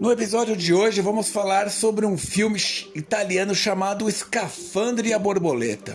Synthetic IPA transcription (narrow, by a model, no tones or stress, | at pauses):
nʊepizɔd͡ʒjʊd͡ʒɪoʒɪvɐ̃mʊsfalaɾsobɾɪũfiwmɪʃit̪aliɐ̃nʊʃamad̪ʊɪskafɐ̃nd̪ɾɪɐboɾbolet̪ɐ̰